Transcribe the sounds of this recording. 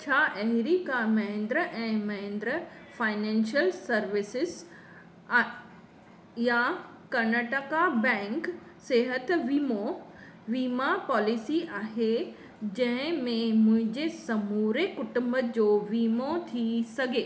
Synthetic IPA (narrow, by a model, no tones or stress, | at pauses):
t͡ɕʰaːʔɐɦɪɾiːkamɐɦɪ̃nd̪ɾəʔɛ̃ːmɐɦẽnd̪ɾəfaːɪnɛ̃ːnʃijəlsɐɾʋɪsɪz | ja | kɐɾnaʈəkabɛ̃ːŋk | seːɦət̪ʋiːmo | ʋiːmapɔːlisiʔaːɦe | d͡ʑɐ̃ɦɪ̃mẽmʊ̃ɦɪ̃ɲd͡ʑesɐmuːɾekʊʈʊmbəd͡ʑoːʋiːmot̪ʰisɐɡʱeː